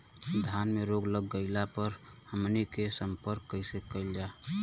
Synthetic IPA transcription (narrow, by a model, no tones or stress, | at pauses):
d̪ʱanmeɾoɡləɡːəɪlapəɾ | həmnikesəmpəɾkːəisekəɪld͡ʒaː